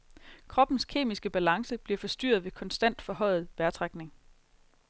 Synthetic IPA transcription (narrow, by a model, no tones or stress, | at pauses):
kʰʁɒ̽b̥n̩skʰe̝̰ːmisɡ̥əb̥ælɑ̈ŋsəb̥liɐfɒ̽sd̥y̰ːɐð̞ˠʋe̝kʰɒ̽nsd̥æn̰d̥fɒ̽hɒ̽ɪ̰ð̞̩ˠʋæɐt͡sʰʁaɡ̥ne̝ŋ